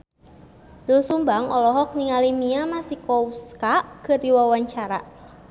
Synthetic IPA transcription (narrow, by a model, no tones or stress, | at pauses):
dɔlsumbaŋɔlɔɦɔk̚niŋalimiamasikɔwskaʔkərdiwawaɲt͡ʃaɾa